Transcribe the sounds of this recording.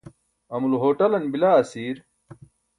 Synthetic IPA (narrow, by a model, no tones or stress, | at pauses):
ɐmulɦoːʈɐlɐnbilaːɐsiːɾ